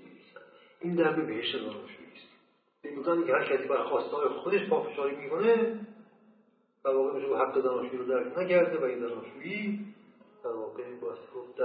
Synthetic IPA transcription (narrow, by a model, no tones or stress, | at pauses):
es | ʔiːnd̪æɾmebeheʃt̪ezænɒ̰ːʃṵʔiːst̪ | emb̪uzæːnikʰehæɾcʰæsiːbæɾxɒːst̪ɒːɾexod̪e̞ʃpʰɒːfeʃɒːɾiːmiːkʰone | d̪̥æɾvɒːɣeunʃeuhæɡːezænɒːʃuiːɾod̪æɾkʰnæcʰæɾd̪evæinzænɒːʃuːiː | d̪̥æɾvɒːɣebɒːæst̪eɡod̪